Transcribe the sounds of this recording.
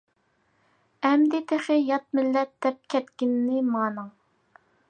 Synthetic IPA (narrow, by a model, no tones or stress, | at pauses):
ɛmd̪ɪt̪ʰeχɪjɑt̪̚mɪlːɛt̪̚d̪̥ɛp̚kʲʰɛt̪kʲɪnːɪmɑːnɨŋ